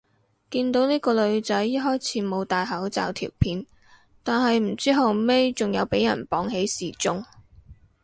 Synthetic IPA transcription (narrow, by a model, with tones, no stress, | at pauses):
kiː˧nt̪o˨˥wniː˥kɔː˧lɵ˨˧ɥt͡sɐ˨˥jjɐ˥ɦɔː˥jt͡sʰiː˨˥mo˨˧wt̪aː˨jɦɐ˨˥wt͡sa̰ː˨wt̪ʰḭ˨˩wpʰiː˨˧n | t̪aː˨nɦɐ˨jm̩˨˩t͡siː˥ɦɐ˨me˥jt͡sʊ˨ŋjɐ˨˧wpe˨˥jɐ̰˨˩npɔː˨˥ŋɦe˨˥jsiː˨t͡sʊ˥ŋ